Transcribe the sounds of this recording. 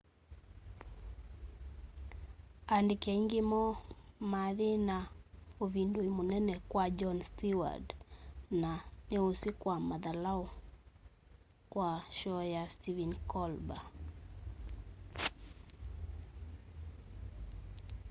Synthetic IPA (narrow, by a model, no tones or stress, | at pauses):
andɪkaiŋɡɪmɔmaðɪnaovindoimonɛnɛkwad͡ʒɔnstiwa̰dnaneosikwamaðalaɔ | kwaʃɔjastivɛnkɔlba